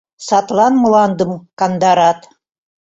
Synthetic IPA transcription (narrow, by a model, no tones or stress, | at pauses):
sɑt̪lˠɑnmɤ̆lˠɑnd̪ɤmkɑnd̪ɑɾɑt̪